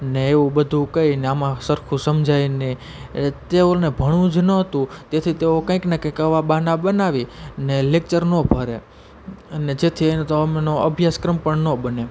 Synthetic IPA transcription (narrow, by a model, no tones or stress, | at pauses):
əneeũbəd̪ʱũkəineamãsəɾkʰũsəmd͡ʒʱajne | t̪eolnebʱəɽ̃ũd͡ʒnəɦət̪ũt̪et̪ʰit̪eokə̃ĩknekə̃kəʋabanabənaʋinelek̚t͡ʃəɾnõbʱəɾe | əned͡ʒet̪ʰint̪oəmenoəbʱjaskɾəmpəɳnõbəne